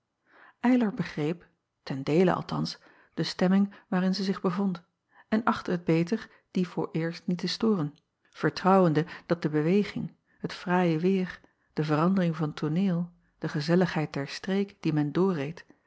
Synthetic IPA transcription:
ʔɛjləɹbəχrejp | tɛndejlə̰ɑ̰lˠtɑ̰ns | d̥əstɛmɪŋʋaːɾɪnzəzɪχbəvont | ɛnʔɑχtəɦəd̚bejtəɹ | d̥ivʊːɹʔɪːɹstnitəstʊːrən | v̥əɹtrɑwəndəd̥ɑt̚dəbəʋejχɪ̰ŋ | ɦətfraːjəʋɪːr | d̥əvəɾɑndərɪŋvɑnətʰonɪːlˠ | d̥əχəzɛləχɦɛjt̚dɛɹstrejkd̥imɛndʊːrejt

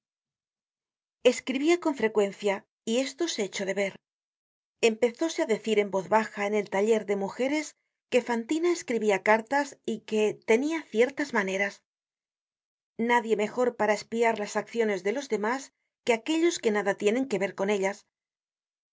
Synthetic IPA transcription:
e̞skɾiβiako̞ɱfɾe̞kwe̞nθja | ie̞st̪o̞se̞et͡ʃo̞ðe̞βe̞ɾ | e̞mpe̞θo̞se̞aðe̞θiɾe̞mbo̞ðβaxaene̞lt̪aʎe̞ɾðe̞muxe̞ɾe̞s | ke̞fant̪inae̞skɾiβiakaɾt̪asike̞t̪e̞niaθje̞ɾt̪azmane̞ɾas | naðje̞me̞xo̞ɾpaɾaespiaɾlasakθjo̞ne̞zðe̞lo̞zðe̞mas | ke̞ake̞ʎo̞ske̞naðat̪je̞nẽ̞ŋke̞βe̞ɾko̞ne̞ʎas

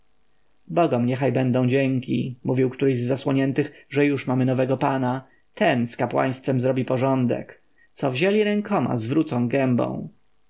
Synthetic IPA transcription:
bɔɡɔmɲɛxajbɛnd̪ɔ̃w̃d͡ʑɛŋkʲḭmuvʲiwkt̪uɾɛjzːaswɔɲɛnt̪ɘxʐɛjuʂmamɘnɔvɛɡɔpana | t̪ʰɛnskapwa̰j̃st̪fɛmzɾɔbʲipɔʐɔnd̪ɛ̰k | t̪sɔvʑelʲiɾɛŋkʰɔma̰zvɾut̪sɔ̃w̃ɡɛmbɔ̰̃w̃

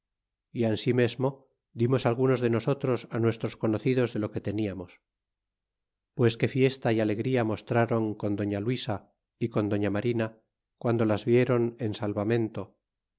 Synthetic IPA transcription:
iansime̞zmo̞ | d̪imo̞salɣuno̞zðe̞no̞so̞t̪ɾo̞sanwe̞st̪ɾo̞sko̞noθiðo̞zðe̞lo̞ke̞t̪e̞niamo̞s | pwe̞ske̞fje̞st̪aiale̞ɣɾiamo̞st̪ɾaɾo̞ŋko̞nd̪o̞ɲalwisa | iko̞nd̪o̞ɲamaɾina | kwand̪o̞lazβje̞ɾo̞ne̞nsalβamẽ̞nt̪o̞

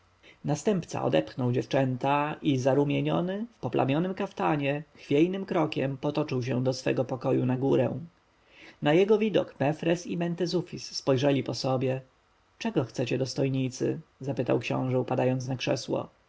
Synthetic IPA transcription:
nast̪ɛmpt̪sa̰ʔɔ̰d̪ɛpxnɔwd͡ʑɛft͡ʂɛnt̪aʔizaɾumʲjɛɲɔ̰nɘfpɔpla̰mʲjɔnɘmkaft̪aɲɛxfʲjɛjnɘmkɾɔkʲɛmpɔt̪ɔt͡ʂɘwɕ̬ɛ̃d̪ɔsfɛɡɔpɔkɔjunaɡuɾɛ̰̃ | najɛɡɔvʲid̪ɔ̰kmɛfɾɛsimɛnt̪ɛzufʲisːpɔjʐɛlʲipɔsɔbʲjɛ | t͡ʂɛɡɔxt̪sɛt͡ɕɛd̪ɔst̪ɔjɲit̪sɘ̰zapɘt̪awkɕɔ̰̃w̃ʐɛupad̪ajɔnt̪snakʂɛswɔ̰

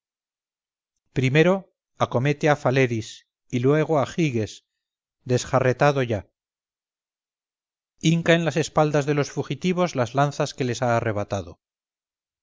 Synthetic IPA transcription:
pɾime̞ɾo̞ | ako̞me̞t̪eafale̞ɾis | ilwe̞ɣ̞oaxiɣe̞s | d̪e̞sxare̞t̪aðo̞ʝa | iŋkae̞nlase̞spald̪azðe̞lo̞sfuxit̪iβ̞o̞zlazlanθaske̞le̞saːre̞β̞at̪aðo̞

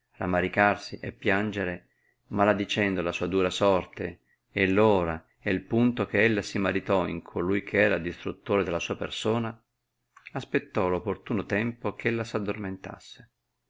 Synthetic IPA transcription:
la̰mːaɾikarsiʔepːjand͡ʒeɾe | malad̪it͡ʃɛnd̪olasuːad̪uːɾasɔrt̪e | elːoːɾa | elpunt̪okeelːasimaɾit̪ɔḭŋkʰolujkʰeɛːɾad̪ist̪ɾut̪ːoːɾed̪elːasuːapḛrsoːna | aspet̪ːɔlopːort̪uːnot̪ɛmpokʰelːasad̪ːorment̪a̰sːe̥

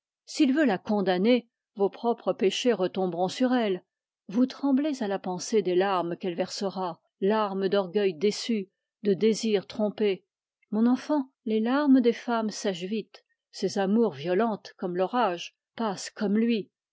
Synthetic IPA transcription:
silvølakɔ̃d̪ane | vopχɔpχəpeʃeʁət̪ɔ̃bʁɔ̃syʁɛl | vut̪χɑ̃blezalapɑ̃sed̪elaʁmkɛlvɛʁsəʁa | laʁməd̪ɔʁɡʲœjd̪esy | d̪əd̪eziʁt̪χɔ̃pe | mɔ̃nɑ̃fɑ̃ | lelaʁməd̪efamsaʃvit̪ | sezamuʁvjɔlɑ̃t̪kɔmlɔʁaʒ | paskɔmlɥi

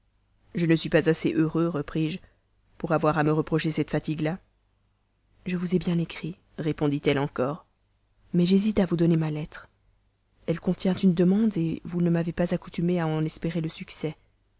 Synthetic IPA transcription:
ʒənəsɥipazaseʔøʁøʁəpχiʒ | puʁavwaʁaməʁəpχɔʃesɛt̪fat̪iɡla | ʒəvuzɛbjɛ̃nekχi | ʁepɔ̃d̪it̪ɛlɑ̃kɔːʁ | mɛʒezit̪avud̪ɔnemalɛt̪χ | ɛlkɔ̃t̪jɛ̃t̪ynd̪əmɑ̃d̪evunəmavepazakut̪ymeaɑ̃nɛspeʁeləsyksɛ

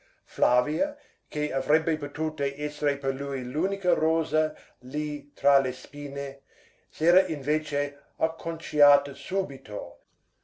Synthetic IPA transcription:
flaviɐ | keavɾebːepot̪uːt̪eʔɛseɾeperlujluːnikɐɾoːzɐ | lit̪ɾalespiːne | seːɾaʔinveːt͡ʃe | akʰːont͡ʃiaːt̪ɐsuːbit̪ʰo̰

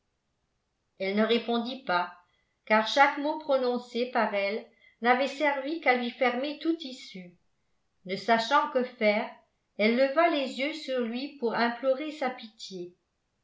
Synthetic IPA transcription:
ɛlnəʁepɔ̃d̪ipa | kaːʁʃakmopχɔnɔ̃sepaʁɛl | navɛsɛʁvikalɥifɛʁmet̪ut̪isy | nəsaʃɑ̃kəfɛːʁ | ɛlːəvalezjøsyʁlɥipuʁɛ̃plɔʁesapit̪je

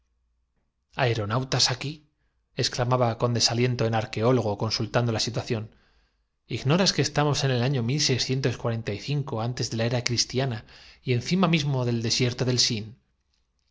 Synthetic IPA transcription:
ae̞ɾo̞nawt̪asaki | e̞sklamaβako̞nd̪e̞salje̞nt̪o̞enaɾke̞o̞lo̞ɣ̞o̞ko̞nsult̪and̪o̞lasit̪waθjo̞n | iɣno̞ɾaske̞ːst̪amo̞se̞ne̞laɲo̞milse̞jsθje̞nt̪o̞skwaɾe̞nt̪aiθiŋko̞ant̪e̞zðe̞lae̞ɾakɾist̪janaie̞nθimamizmo̞ðe̞ld̪e̞sje̞ɾt̪o̞ðe̞lsin

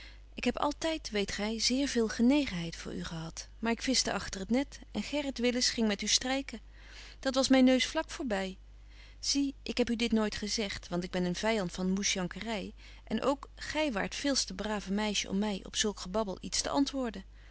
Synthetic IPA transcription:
ʔɪkɦɛpɑ̰lˠtɛjtʋejtχɛjzɪːɹvɪːlˠχənejχənɦɛjtfʊ̰ːɹy̰χəɦɑtmaːɹɪkfɪstəʔɑχtərətnɛtʔɛnχɛrətʋɪləsχɪŋmɛtystrɛjkə | d̥ɑtʋɑsmɛjnːøɥsflɑkfʊːɹbɛj | z̥iʔɪkɦɛpydɪtnojtχəzɛχtʋɑntɪɡ̚bɛnənv̥ɛjɑntfɑnmusjɑŋkərɛj | ʔɛnʔo̰wkχɛjʋa̰ːɹtfɪːlˠstəbraːvəmɛjʃəʔɔ̰mːɛjɔ̰psɵlˠkχəbɑbəlˠitstə̰ʔɑntʋʊːɹdə

